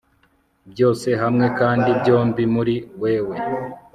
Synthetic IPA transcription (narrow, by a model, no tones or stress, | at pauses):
bjo̞ːse̞ɦamŋe̞kaːndibɟo̞ːmbimuɾiwe̞ːwe̞